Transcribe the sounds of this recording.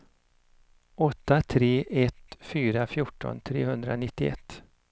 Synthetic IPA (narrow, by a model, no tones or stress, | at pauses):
ɔt̪ːat̪ʰɾeːʔɛt̪fyːɾafjʊʈːɔ̰nt̪ʰɾḛːhɵnd̪ɾa̰nɪt̪ːɪɛ̰t̪ː